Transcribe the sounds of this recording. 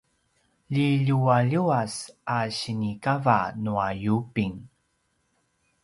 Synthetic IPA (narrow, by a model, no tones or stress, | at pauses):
ʎiʎuaʎuasaɕinikavanuajupiŋ